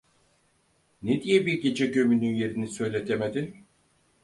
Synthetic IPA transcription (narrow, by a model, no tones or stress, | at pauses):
ned̪ijɛbiɾɟe̞d͡ʒɛɟø̞mynynje̞ɾinisø̞jlʲe̞t̪ʰemed̪in